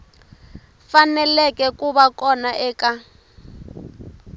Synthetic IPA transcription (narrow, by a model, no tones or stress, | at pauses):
fanɛlɛkʼɛkʼuβakɔnaʔɛːka